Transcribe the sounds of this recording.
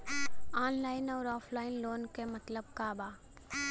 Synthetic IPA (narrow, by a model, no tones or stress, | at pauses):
aːnlaːɪnɔːɾɔːpʰlaːɪnloːnkemɐt̪ləb̚kaːbaː